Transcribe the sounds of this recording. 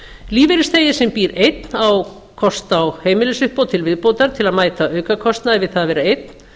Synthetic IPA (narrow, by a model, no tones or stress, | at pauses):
liːveɾɪst̪eːjɪ̥sɛmpiːɾejt̪naw | kʰɔst̪awheːjmɪlɪsʏhpowt̪ʰɪlvɪðpoːwt̪aɾ̥t̪ʰɪlaðmaːjt̪aʔœːɥkakʰɔst̪naɛvɪðθaðvɛːɾaejt̪̚n̥